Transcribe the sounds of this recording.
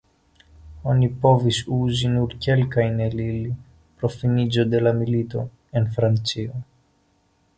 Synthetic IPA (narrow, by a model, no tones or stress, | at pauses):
o̞nipo̞visuzinuɾke̞lkajnelili | pɾo̞finid͡ʒo̞d̪e̞lamilit̪o̞̰ | enfɾant͡sio